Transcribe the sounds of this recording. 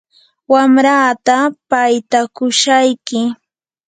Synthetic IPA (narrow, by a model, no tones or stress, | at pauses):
wamɾaːt̪apajt̪akʊʃajkɪ